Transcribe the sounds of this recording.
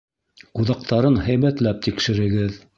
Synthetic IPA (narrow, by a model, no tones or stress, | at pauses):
quðɑq̚t̪ʰɑɾɤnhæjβæt̪læp̚t̪ikʃɘ̆ɾɘ̆ɡɘð